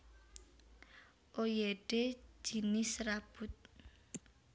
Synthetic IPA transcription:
ʔojeɖ̥e̥d͡ʒ̥i̤nɪsrab̥ut̪̚

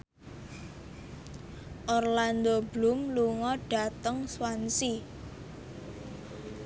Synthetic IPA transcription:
ʔɔrland̪oblumluŋɔɖ̥a̤t̪əŋswansi

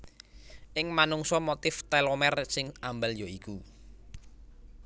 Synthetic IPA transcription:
ʔɪŋmanuŋsɔmot̪ɪft̪ɛlomɛrsɪŋambəljoiku

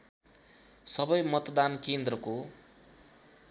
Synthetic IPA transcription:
sʌbʌjmʌt̪d̪ankend̪rʌko

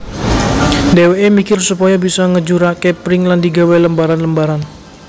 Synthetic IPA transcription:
deweʔemikɪrsupɔjabisɔŋəd͡ʒuɾakepɾɪŋlandiɡaweləmbaɾanləmbaɾan

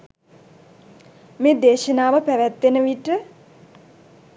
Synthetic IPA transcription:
meːd̪eːʃənaːʋəpæʋɛt̪ːenəʋiʈə

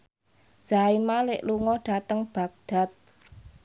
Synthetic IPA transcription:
d̥ʒ̥aɪnmalɪʔluŋɔɖ̥a̤t̪əŋb̥a̤k̚ɖ̥a̤t̪̚

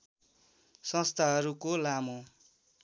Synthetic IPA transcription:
sʌ̃st̪ʰaɦʌɾukolamo

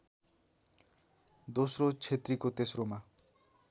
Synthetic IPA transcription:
d̪osrot͡sʰet̪rikot̪esroma

